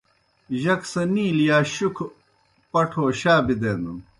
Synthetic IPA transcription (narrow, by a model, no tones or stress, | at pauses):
ʑɐksɐniːlijaːɕukʰ | pɐʈʰoːɕaːbid̪eːnd̪um